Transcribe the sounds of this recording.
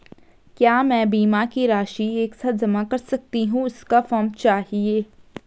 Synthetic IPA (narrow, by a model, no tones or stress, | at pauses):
kjaːmɛ̃ːbiːmakiɾaːʃieːksaːt̪̚d͡ʒɐmakɐɾsɐk̚t̪iɦũɪskafɔːɾmt͡ʃaːɦieː